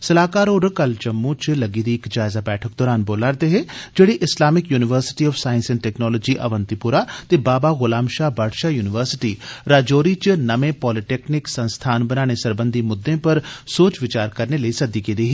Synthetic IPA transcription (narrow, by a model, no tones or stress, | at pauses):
səlaːkaːɾoːɾkəlt͡ʃəmːũːt͡ʃləɡiːd̪iːɪkd͡ʒaːɪzaːbɛːʈʰək̚d̪ɔːɾaːnboːlaːɾd̪eːɦeːd͡ʒeːɽiʔɪslaːmɪkjuːnɪʋəɾsɪ̥ʈiɔːfʰsaːjɪ̃nsɪ̃nʈɛːknɔːlɔːd͡ʒiːʔə̰ʋə̃nt̪ipʊɾaːt̪eːbaːbaːɣʊlaːmʃaːbaːɖʃaːjuːnɪʋəɾsɪ̥ʈiːɾaːd͡ʒoːɾiːt͡ʃnəmẽːpɔːlɪʈeːknɪksə̃nst̪ʰaːnbənaːɽ̃esəɾbə̃nd̪iːmʊd̪ːẽːpəɾsoːt͡ʃʋɪt͡ʃaːɾkəɾneləiːsəd̪ikeːd̪eːɦeː